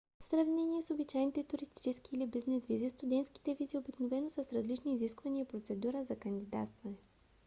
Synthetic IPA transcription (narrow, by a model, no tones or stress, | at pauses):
sɾɐvnɛniɛsobit͡ʃajnit̪ɛt̪ʊɾist̪i̥t͡ʃɛskiːlibiznɛzvizist̪ʊd̪ɛnt̪sk̟i̥t̪ɛviziobiknovɛnosəsɾɐzlit͡ʃniːziskvəniəipɾot̪sɛd̪uɾəzɐkɐnd̪id̪a̰t̪st̪vɐnɛ